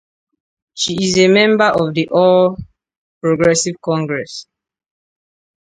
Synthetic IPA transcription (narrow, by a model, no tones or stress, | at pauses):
ʃiːzemɛ̃mbəʔɔvðiʔɔl | pɹoɡɹɛsivkɔ̃ŋɡɹɛs